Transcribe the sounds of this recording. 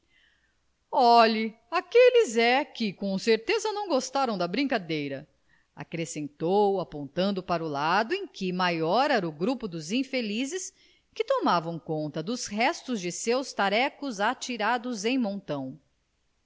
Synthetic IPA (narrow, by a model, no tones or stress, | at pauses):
ɔʎi | akelɪzɛkɪkõseɾt̪ezɐnɐ̃w̃ɡost̪aɾɐ̃w̃d̪ɐbɾĩkad̪ejɾɐ | a̰kɾesẽnt̪owapõnt̪ɐ̃nd̪ʊpaɾʊlad̪ʊẽj̃kɪmajɔɾɛɾɐʊɡɾupʊd̪ʊzĩfelizɪs | kɪt̪omavɐ̃w̃kõnt̪ɐd̪ʊsɦɛst̪ʊzd͡ʒɪsewst̪aɾɛkʊzat͡ʃiɾad̪ʊzẽj̃mõnt̪ɐ̃w̃